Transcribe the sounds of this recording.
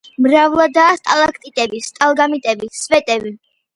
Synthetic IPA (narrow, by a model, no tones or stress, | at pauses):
mɾavlˠad̪aːst̪ʼalˠakʰt̪ʼit̪ʼɛbist̪ʼalˠɡamit̪ʼɛbisvɛt̪ʼɛbi